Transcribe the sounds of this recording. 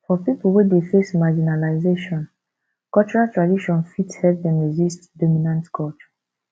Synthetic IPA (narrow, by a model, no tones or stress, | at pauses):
fɔpipulˠwɛdefesmad͡ʒinalaɪzeʃɔ̃n | kɔlt͡ʃɔɹaltɹadiʃɔ̃nfithɛp̚dɛ̃nɹizistdɔminãntkʰɔlt͡ʃɔ̥